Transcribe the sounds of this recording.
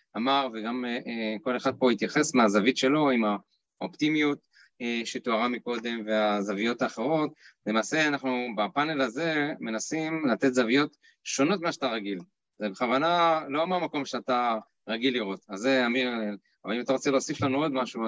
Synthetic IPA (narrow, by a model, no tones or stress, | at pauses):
ʔamaʁveɡamʔko̞le̞χad̪̚po̞hit̪jaχe̞smeazavitʃe̞lo̞ima | o̰pt̪imjut̪̚ | eʃet̪oaʁamiko̞d̪e̞mve̞azavijo̞t̪aːχe̞ʁo̞tlemaːse̞anaχnubapane̞laze̞me̞nasimlat̪et̪zavijo̞t̪ | ʃo̞no̞t̪mimaʃat̪aʁaɡil | zebeχavanalo̞meamako̞mʃeat̪a | ʁaɡilːiʁo̞t̪azeaminel | avalimataʁo̞t͡se̞leosiflanuo̞d̪maʃu